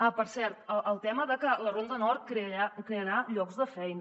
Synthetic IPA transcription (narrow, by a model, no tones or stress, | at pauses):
apəɾsɛɾt̪əʔəlˠt̪ɛməðəkələrond̪ənɔrt̪̚kɾeəakɾeəɾaʎɔkzðəfɛjnə